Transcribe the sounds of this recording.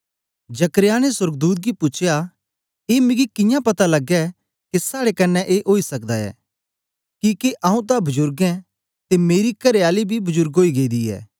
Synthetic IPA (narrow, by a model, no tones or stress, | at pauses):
d͡ʒɐkɾɪjaːneswɐɾɡd̪uːt̪̬̚ɡipʊt͡ʃʰja | eːmɪ̃ɡikɪ̃jãpɐt̪alɐɡɛ | kesaːɽekɐnːɛʔeːʔoːisɐkd̪aɛ̰ː | kikeʔaːũt̪̬abɐd͡ʒʊɾɡɛ̃ | t̪emeːɾikɐɾeaːlibʱibɐzʊɾɡɦoːiɡeːid̪iɛ̰ː